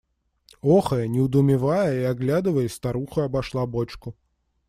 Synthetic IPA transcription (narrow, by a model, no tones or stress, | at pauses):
ɔxɐjɐnʲɛwd̪umʲivajɐiaɣlʲad̪ɨvɐjɛst̪aɾuxɐɐbaʂlˠabɔt͡ʃku